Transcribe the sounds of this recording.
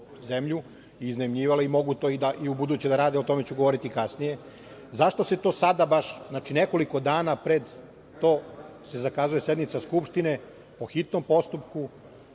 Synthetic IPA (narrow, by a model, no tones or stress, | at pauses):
ze̞mʎu | iːznaimʎiːʋaleimo̞ɡut̪oːid̪aʔiubud̪uːt͡ɕed̪aɾaːd̪eo̞t̪o̞me̞t͡ɕuɡo̞ʋo̞ɾit̪ikasnije̞ | zaʃt̪o̞se̞t̪o̞ːsad̪abaʃznaːt͡ʃine̞ko̞liko̞d̪aːnapɾe̞d̪ː | o̞ːse̞zakaːzuje̞sje̞d̪nit̪saskupʃt̪ine̞ | po̞xit̪no̞mpo̞st̪upku